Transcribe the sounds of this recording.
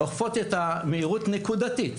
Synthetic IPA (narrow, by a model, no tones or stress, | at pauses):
oχfo̞t̪et̪ameiʁut̪ne̞kud̪at̪it